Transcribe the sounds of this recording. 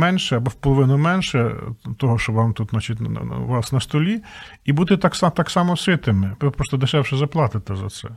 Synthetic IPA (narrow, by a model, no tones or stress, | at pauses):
mɛnʃɛɐbɔwpɔlˠɔʋɪnʊmɛnʃɛt̪ɔɦɔʃt͡ʃɔʋɑmt̪ut̪nɑt͡ʃit̪ʲnʋɑsnɐst̪ɔlʲi | ibud̪ɛt̪ɑksɑt̪ɑksɑmɔsʲɪt̪ɪmɪpɾɔst̪ɔd̪ɪʃɛwʃɪzɐplˠɑt̪ɪt̪ɪzɐ̰t̪sɛ̰